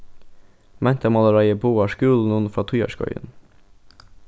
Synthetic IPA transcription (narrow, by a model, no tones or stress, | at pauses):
mʔænt̪ʰəmɑləɾɑɪəpʰoːɑːʃkʉːln̩ənfɾɑːt̪ʰʉjɑ̰ʃkʰɔ̰ʏə̰n